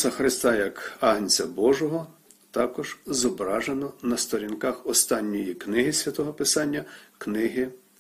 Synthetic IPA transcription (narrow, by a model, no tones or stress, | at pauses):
sɐxɾɪst̪ɑjɐkɑɦnʲt͡sʲɐbɔʒɔɦɔ | t̪ɑkɔʒ̥zɔbɾɑʒenɔnɐst̪ɔɾʲinkɑxɔst̪ɑnʲːɔjiknɪɦɪsʲʋʲɐt̪ɔɦɔpɪsɑnʲːɐknɪɦɪ